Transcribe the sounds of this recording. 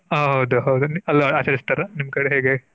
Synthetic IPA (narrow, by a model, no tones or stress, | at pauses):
ɦɐɦɐwd̪uɦɐwd̪uniɐlːɐaːt͡ʃɐɾist̪ɐɾɐnimːɐkɐɽeɦeːɡe